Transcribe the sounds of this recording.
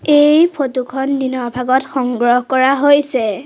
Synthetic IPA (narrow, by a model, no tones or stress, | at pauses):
ejpʰotukʰɔnːinɔɹbʱaɡɔtxɔŋɡɹɔɦkɔɹaɦojsɛ